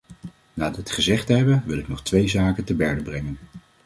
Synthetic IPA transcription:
naːdəətχəzɛχtəɦɛbənʋɪlɪknɔχtʋejzaːkəntəbɛɹdəbrɛŋən

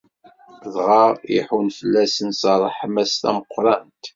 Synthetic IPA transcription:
ðʁɑiħunfəlːæsənsɑɾˤəħəmæst̪æ̰məqːɾˤɑnt̪

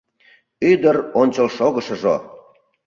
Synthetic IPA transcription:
yd̪əronʲt͡ɕəlʃoɣə̆ʃəʒo̰

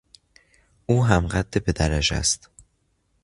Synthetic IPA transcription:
ʔuːɦæmɢæd̪ːebe̞d̪æɾæd͡ʒæ̰st̪

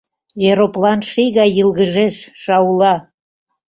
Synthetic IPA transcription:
eɾoplɑnʃiɣɑjəlɣəʒeʃʃɑulɑ

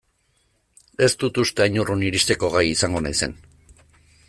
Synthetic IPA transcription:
e̞st̪ut̪ust̪e̞aɲuruniɾist̪e̞ko̞ɣ̞ajisaŋɡo̞najse̞̰n

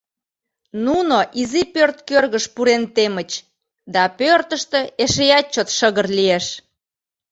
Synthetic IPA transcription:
nunoʔizipørt̪kørɣəʃpuɾent̪emət͡ɕ | d̪ɑpørt̪əʃt̪ĕeʃejɑt͡ɕːot̪ʃəɣərlieʃ

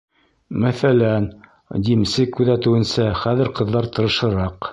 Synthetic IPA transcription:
mæθælæn | d̪imsɘkʉðæt̪ɘ̆wɘ̆nsæχæðɘɾqɤ̆ðːɑɾt̪ɤ̆ɾɤ̆ʃɤ̆ɾɑq

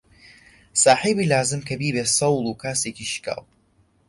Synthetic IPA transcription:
saːħiːbiːlaːzɨmkʰɐbiːbeːsɐwlˠukʰaːseːkiʃka̰ːlˠ

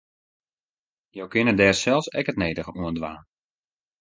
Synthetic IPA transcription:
jowkɪnədɛːrsɛlˠfsɛkətneːdəɣəuəndʋaːn

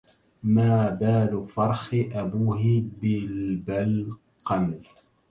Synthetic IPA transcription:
maːbaːlʊfɑɾˤxɪʔabuːɦɪbɪlbal | qɑml

